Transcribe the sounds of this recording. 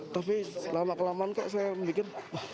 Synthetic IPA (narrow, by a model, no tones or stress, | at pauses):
t̪apilamaʔkəlamankaʔs̬ajambikɪna